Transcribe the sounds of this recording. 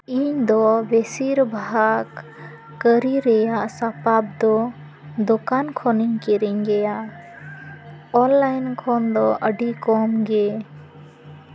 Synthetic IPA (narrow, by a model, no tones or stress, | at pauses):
iɲd̪ɔbɛsiɾbʱaɦakː | əɾiɾɛjaʔsapab̚d̪ɔ | d̪okankʰɔniɲkiɾiɲɡɛjaʔ | ɔnlajnkʰɔnd̪ɔʔəɖikɔmɡɛ